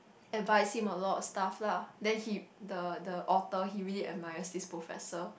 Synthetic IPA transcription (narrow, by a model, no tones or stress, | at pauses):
ɛdvaɪshĩməlɔtɔstafladɛ̃nhidədəʔɔtəɦiɹiliɛ̰majəsdispɹofɛ̰sə